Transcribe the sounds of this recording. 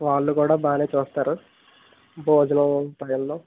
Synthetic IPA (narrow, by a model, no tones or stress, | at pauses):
ʋaːɭːukuːɽaːbaːneːt͡ʃuːst̪aːɾu | bʱoːd͡ʒɐnɐunt̪aːjulːoː